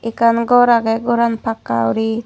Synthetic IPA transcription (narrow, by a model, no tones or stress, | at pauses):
ikanɡɔɾaɡɛɡɔɾanpakːa̰wɾi